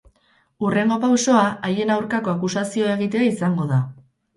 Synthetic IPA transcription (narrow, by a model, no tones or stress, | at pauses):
ure̞ŋɡo̞pawso̞aʔaje̞nawɾkako̞akusasio̞e̞ɣ̞it̪e̞aisaŋɡo̞ða